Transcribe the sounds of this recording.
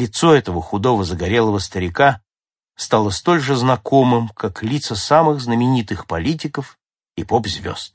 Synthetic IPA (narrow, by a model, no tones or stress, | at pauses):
lʲɪt̪soɛt̪əvəxʊd̪o̞vəzəɡɐɾʲelˠəvəst̪əɾʲɪka | st̪alˠəst̪o̞lʲʐɨznɐko̞mɨmkaklʲit̪səsamɨɣznəmʲɪnʲit̪ɨxpɐlʲitʲɪkəf | ipopzʲvʲo̰st̪̚